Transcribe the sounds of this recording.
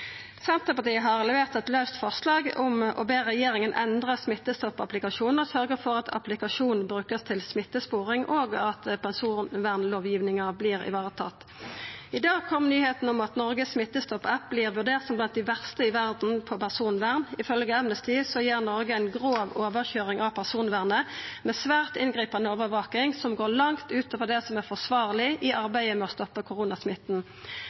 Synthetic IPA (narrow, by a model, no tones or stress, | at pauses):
sɛnt̪ʁəpɑʁt̪ʰiːəɦɑʁɛlɛʋeːʁt̪ɛt̪lɑʉst̪fɔʁslɑːɡʊmʔɔ̰beːʁɛjeːɾɪŋənʔɛ̰nd̪ʁəsmɪt̪ːəst̪ɔpːɑ̰plɪkɑʂuːnəʁsœʁɡəfɔʁɑt̪ʰɑ̰plɪkɑʃuːnbʁʉːkəst̪ʰɪlsmɪt̪ːəspoːʁɪŋʔoːɡɑt̪pʰɛnsuːnʋæːʁnloːʋjiːʋnɪŋəbliːʁɪ̰ʋɑːʁət̪ʰɑ̰t̪ː | ɪd̪ɑːɡ̚kʰɔmːnyːheːt̪n̩ʊmɑt̪nɔʁɡəsmɪt̪ːəst̪ɔpːɛp̚bliːʁʋʉɖ̪eːʁt̪sɔmblɑnt̪̚d̪ɪʋæʁst̪əɪʋæʁd̪n̩pʰɔpæʁsuːnʋæʁnɪfœlɡəæmnəst̪ɪsɔjeːʁnɔʁɡəæɪnɡʁoːʋoːʋəʁçøːʁɪŋʔɑʋpʰæʁsuːnʋæːʁnəmɛsʋæːʁt̪ɪnɡʁiːpɑnd̪əoːʋəʋɑːkɪŋsɔmɡoːʁlɑŋt̪ʉːt̪ɔʋəd̪ɛsɔmæʁfɔʁsʋɑːʁlɪʔɪʔɑʁbæɪəmɛɔst̪ɔpːəkʰʊʁunɑsmɪt̪ːn̩